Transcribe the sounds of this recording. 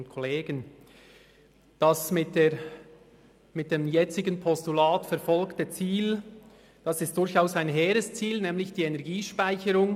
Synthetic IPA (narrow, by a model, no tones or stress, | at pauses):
ntkʰɔleːɡən | d̥ɑsmɪt̚e | mɪt̚d̥emjɛt͡sɪɡənpʰɔstulaːtfɛɐfɔlktət͡siːl | d̥ɑsɪst̚d̥ʊɾçaʊsaɪnɦeːɾəst͡siːlnɛːmlɪçd̥iːenɛɾɡiːʃpaɪçəɾʊŋ